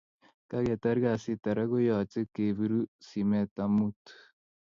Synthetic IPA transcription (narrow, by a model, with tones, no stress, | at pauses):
ka˦ɡe˨ta˦ɾɡa˨si˦ta˨ɾa˦ɡo˦jo˨t͡se˦ke˨βi˨ɾu˦si˨me˨ta˨mu˦tu̥